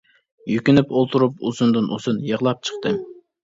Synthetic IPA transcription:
jykʲynɪpolˠt̪ʰuɾupuzund̪ɨnʔusunjəʁlˠɑp̚t͡ʃʰə̥χt̪ɨm

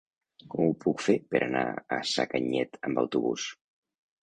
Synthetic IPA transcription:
kɔmupukfepəɾʔəna̰əsakəɲɛt̪ʰəmbəwt̪uβṵs

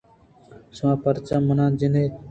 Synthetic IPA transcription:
sʋãːpəɾt͡ʃamːənãːnd͡ʒɪneː

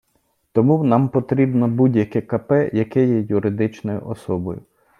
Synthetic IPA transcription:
t̪ɔmuwnɑmpɔt̪ɾʲibnɔbudʲjɐkɛkɐpɛjɐkɛjɛjʊɾɪd̪ɪt͡ʃnɔjʊ̰ʔɔsɔbɔjʊ

